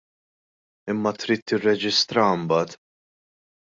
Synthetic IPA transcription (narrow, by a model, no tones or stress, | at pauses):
ɪmːɐt̪ɾiːt̪ːɪrːɛd͡ʒɪst̪ɾɐmbɐːt̪